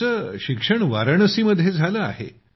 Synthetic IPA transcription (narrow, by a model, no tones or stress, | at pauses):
əɕikʂəɳʋaɾəɳ̃əsiməd̪ʱjed͡zʱaləa̰ɦḛ